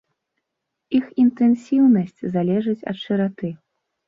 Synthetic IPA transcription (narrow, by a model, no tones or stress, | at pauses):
ixint̪ɛnsʲiwnɐsʲt͡sʲzalʲɛʐɨt͡sʲɐ̰t̪ʂɨɾat̪ɨ